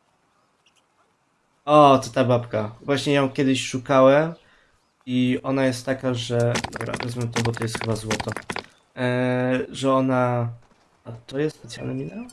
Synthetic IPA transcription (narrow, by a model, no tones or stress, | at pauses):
ɔt̪ɔt̪abapkavwaɕɲɛjomkʲɛd̪ɘɕʂukawɛm | iɔnajɛst̪ːakaʐɛd̪ɔbɾa̰vɛzmɛt̪ɔbɔt̪ɔjɛst̪xɘbazwɔt̪ɔ | ʐɛɔna | at̪ɔjɛst̪spɛt̪sja̰lnɛmʲinɛ